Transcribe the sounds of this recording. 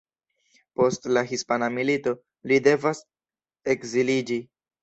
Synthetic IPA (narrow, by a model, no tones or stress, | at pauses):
po̞stlaɦispanamilito̞ | lide̞vas | ekzilid͡ʒi